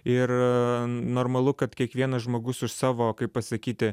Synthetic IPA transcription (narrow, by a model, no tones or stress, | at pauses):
ɪɾ | noːɾmɐlˠʊkɐt̪kʲiɛkʋʲiɛnɐsʒmoːɡʊsʊʃsɑːʋoːkɐɪppɐsɐkʲiːt̪ʲɪ